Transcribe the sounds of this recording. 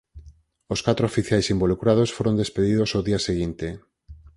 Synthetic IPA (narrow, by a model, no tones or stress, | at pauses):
oskat̪ɾofiθjajsimbolukɾaðosfoɾond̪espeðiðosoðiaseɣ̞int̪e